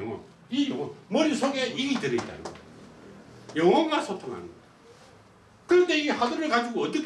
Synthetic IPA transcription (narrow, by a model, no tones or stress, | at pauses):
ŋwʌ̰n | ijʌŋʌnmʌɾisʰoɡeidɯɾeit͈̚a̰nɯ̰ŋɡʌ̰ | jʌŋʌnmasʰotʰoŋɦa̰nɯne | kɯɾʌnde̞iehadɯɾɯɭkad͡ʑiɡoʌt͈ʌkʰ